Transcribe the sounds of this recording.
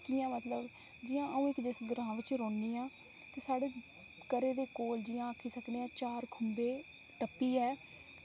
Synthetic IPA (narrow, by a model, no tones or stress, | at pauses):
kijãːmət̪ləb | d͡ʒiːãːəũːɪkd͡ʒesɡəɾãːʋɪt͡ʃɾoːɳːiːãː | t̪eːsaːɽeː | kəɾeːd̪eːkoːld͡ʒiːãːəkʰiːsəkneːãːt͡ʃaːɾkʰʊmbeː | ʈəpːiːɦɛː